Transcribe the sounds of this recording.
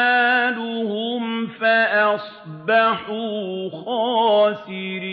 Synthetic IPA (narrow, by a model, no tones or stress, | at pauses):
ad̪ʊɦʊmfaʔas | baħuxɔːsiɾi